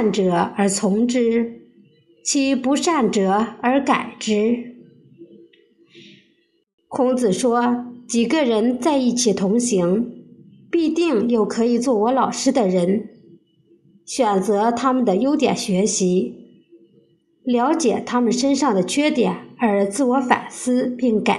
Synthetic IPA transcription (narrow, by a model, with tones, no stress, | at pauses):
nʈ͡ʂɤ˨˩˦ə˞˧˥t͡sʰʊ˧˥ŋʈ͡ʂɻ̩˥ | t͡ɕʰi˧˥pu˧˥ʂa˥˩nʈ͡ʂɤ˨˩ə˞˧˥ka˨˩ɪʈ͡ʂɻ̩˥ | kʰʊ˧˥ŋt͡sɹ̩˨˩ʂwɔ˥t͡ɕi˨˩ɡə˧ɻə˧˥nt͡sa˥˧ɪi˥˩t͡ɕʰi˨˩t̪ʰʊ˧˥ŋɕi˧˥ŋ | pi˥˧t̪i˥˧ŋjo˥˩ʊkʰɤ˧˥i˨˩t͡swɔ˥˩wɔ˧˥lɑ˨˩ʊʂɻ̩˥d̪ə˨ɻə˧˥n | ɕɥɛ˨˩nt͡sɤ˧˥t̪ʰa˥mə˨nd̪ə˩jo˥ʊt̪jɛ̰˨˩nɕɥɛ˧˥ɕi˧˥ | ljɑ˧˥ʊt͡ɕjɛ˨˩t̪ʰa˥mə˨nʂə˥nʂɑ˥˩ŋd̪ə˩t͡ɕʰɥɛ˥t̪jɛ̰˨˩˦nə˞˧˥t͡sɹ̩˥˩wɔ˧˥fa̰˨˩nsɹ̩˥pi˥˩ŋka˨˩